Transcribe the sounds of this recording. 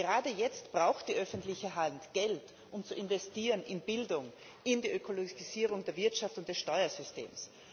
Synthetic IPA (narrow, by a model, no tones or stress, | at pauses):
ɡəʁaːdəjɛt͡stb̥ʁaʊxtd̥iːʔœfn̩tlɪçəɦantɡ̥ɛlt | ʔʊmt͡suɪnvɛstiːʁənɪnbɪldʊŋ | ɪndiːʔøkʰoloɡisiːʁ̞ʊŋdeːɐvɪɐtʃaftʊnt̚d̥ɛsʃtɔʏɐzʏystḛːms